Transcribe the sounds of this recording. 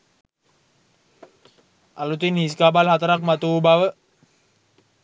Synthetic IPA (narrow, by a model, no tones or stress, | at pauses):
ʔalut̪inhiskabalɦat̪ɾak̚mat̪ubawə